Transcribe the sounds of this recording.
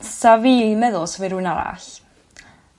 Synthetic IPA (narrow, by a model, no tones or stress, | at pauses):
saviːmɛðʊlˠsɔviɾuɨnaɾa̰ɬ